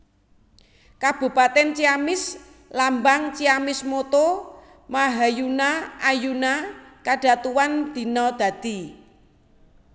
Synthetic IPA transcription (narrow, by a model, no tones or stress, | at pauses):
kab̥ṳpat̪ɛnt͡ʃiamɪs | lambaŋt͡ʃiamɪsmot̪o | maɦajunaajunakaɖ̥a̤t̪uwand̪̥i̤nɔd̪̥ä̤d̪̥i̤